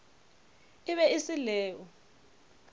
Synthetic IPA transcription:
iɓɛisilɛːwɔ

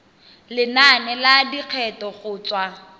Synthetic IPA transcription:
lɪnanɛladiq͡χʰɛtɔχʊːt͡swa

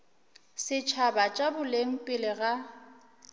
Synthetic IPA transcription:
sɪt͡ʃʰabat͡ʃʼabʊleŋ̩pʼɪlɪɣa

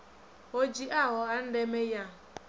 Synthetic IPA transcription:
od͡ʒiʔaɦʊan̩demeja

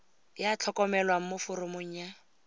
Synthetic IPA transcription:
jat͡ɬʰɔkʼɔmɛlwaŋ̩mʊfʊɾʊmʊɲ̩ːja

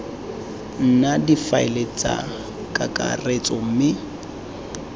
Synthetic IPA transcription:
n̩nadifaɪlet͡sʼa̰ | kʼakʼa̰ret͡sʼɔm̩mɪ

